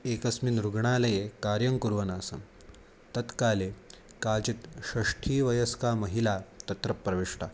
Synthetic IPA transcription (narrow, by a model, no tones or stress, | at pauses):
ekɐsminɾuɡɳaːlɐjekaɾjɐŋkuɾʋɐnasɐm | t̪ɐt̪kaːle | kalt͡ɕit̪ɕɐʂʈʰiːʋɐjəskamɐɦilat̪ɐt̪ɾəpːɾɐʋeʂʈa